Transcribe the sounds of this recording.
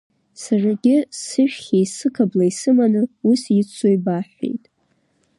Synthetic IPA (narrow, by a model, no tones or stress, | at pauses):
saraɡʲɪsɨʃᶣχʲejsɨkʰablaisɨmanɨusit͡sʰojbaħʷḛjtʼ